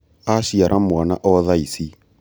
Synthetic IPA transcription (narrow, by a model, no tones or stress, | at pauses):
aʃiaɾʔamwana̰ʔɔðaisi